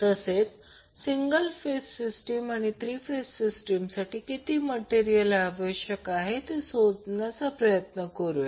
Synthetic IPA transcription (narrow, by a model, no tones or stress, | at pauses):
t̪əset͡s | siŋɡəlfesːisʈemaɽ̃it̪ɾiːfesːisʈimsaʈiːkit̪iːməʈeɾijəlaʋəɕjəkaɦet̪esod͡znat͡sapɾəjət̪nəkəɾuje